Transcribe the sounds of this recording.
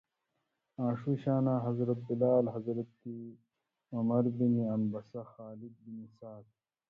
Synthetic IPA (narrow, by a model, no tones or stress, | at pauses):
ãːʂiɕaːnaːɦɐzɾɐt̪̚bilaːlɦɐzɾɐt̪̚ki | ɐmɐɾbiniɐnbɐsɐxaːlid̪̚binisaːt̪̚